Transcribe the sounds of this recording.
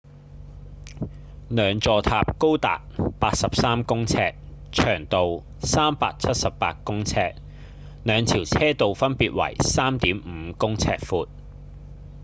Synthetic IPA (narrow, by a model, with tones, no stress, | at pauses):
nœː˨˧ŋt͡sɔː˨t̪ʰaː˧p̚ko˥wt̪a̰ː˨k̚paː˧t̚sɐ˨p̚saː˥mkʊ˥ŋt͡sʰɛː˧k̚t͡ʃʰœː˨˩ŋt̪o˨w | saː˥mpaː˧k̚t͡sʰɐ˥t̚sɐ˨ppa̰ː˧t̚kʊ˥ŋt͡sʰɛː˧k̚ | nœː˨˧ŋt̪ʰiː˨˩wt͡sʰɛː˥t̪o˨wfɐ˥npiː˨˧t̚wɐ̰˨˩jsaː˥mt̪iː˨˥mm̩ː˨˧kʊ˥ŋt͡sʰɛ̰ː˧k̚fuː˨˧t̚